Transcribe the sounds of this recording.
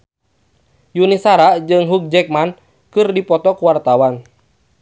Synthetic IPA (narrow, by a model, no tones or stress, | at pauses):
junisaɾad͡ʒɨŋɦuk̚d͡ʒɛk̚man | kɨrdipɔt̪ɔkuwart̪awan